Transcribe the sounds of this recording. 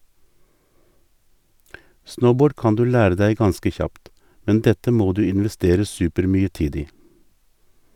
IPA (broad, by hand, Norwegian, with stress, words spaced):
ˈsnəʊˌboːɖ ˈkɑn ˈdʉː ˈlæːɾə ˈdæɪ ˈɡɑnskə ˈçɑpt ˈmɛn ˈdɛtə ˈmoː ˈdʉː ɪnʋɛˈsteːɾə ˈsʉːpəɾˌmyːə ˈtiːd ˈiː